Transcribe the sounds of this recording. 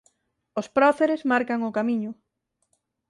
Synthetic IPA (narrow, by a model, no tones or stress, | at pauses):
ospɾɔθeɾezmaɾkaŋʊkamiɲʊ